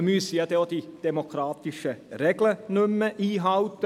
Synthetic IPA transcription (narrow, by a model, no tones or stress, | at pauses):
myəsəjɑd̪ɛod̥̪id̥ɛmokʰɾɑːt̪ɪʃəɾɛɡlənʏmːəʔiːɦɑwt̪ə